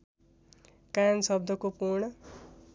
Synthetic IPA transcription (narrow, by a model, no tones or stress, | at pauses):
kansʌb̚d̪ʱʌkopuɾɳʌ